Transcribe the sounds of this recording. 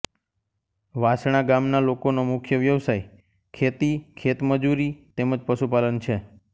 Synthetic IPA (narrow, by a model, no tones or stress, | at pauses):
ʋasɽ̃aɡamnalokonomʊkʰjəʋjəʋsaj | kʰet̪ikʰet̪məd͡ʒuɾit̪eməd͡ʒpəʃupalənt͡ʃʰe